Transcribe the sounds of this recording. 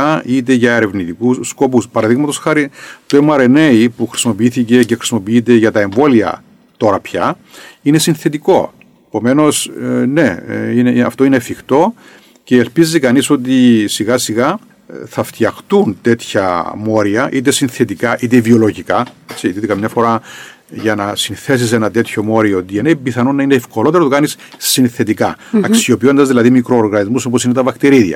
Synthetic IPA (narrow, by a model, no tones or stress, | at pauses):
ɐit̪̬e̞ʝɐeɾe̞vnit̪ikusko̞puspɐɾɐðiɣmɐt̪osxɐɾit̪uemɐɾenejipuxɾi̥simo̞piiθice̞cexɾi̥simo̞piit̪̬e̞ʝɐt̪ɐe̞ɱvo̞liɐ̰ | t̪o̞ɾɐpçɐ | ine̞sinθe̞t̪iko̞ | epo̞me̞no̞sne̞ineɐ̰ft̪oinefixt̪o̞ | ce̞ːlpizikɐniso̞t̪̬isiɣɐsiɣɐ | θɐft̪jɐxt̪unt̪e̞t̪çɐ̰mo̞ɾiɐʔit̪̬e̞sinθe̞t̪ikɐʔit̪̬evio̞lo̞ʝikɐet͡sit̪it̪ikɐmɲɐfo̞ɾɐ | ʝɐnɐsinθe̞s̬is̬enɐt̪e̞t̪ço̞mo̞ɾioot̪ieneibiθɐnonːɐineːfko̞lo̞t̪eɾot̪ukɐnisː | inθe̞t̪ikɐɐkssio̞pio̞nd̪ɐzðilɐðimikɾoːɾɣɐnizmusoposinet̪ɐvɐkt̪iɾiðiɐ̰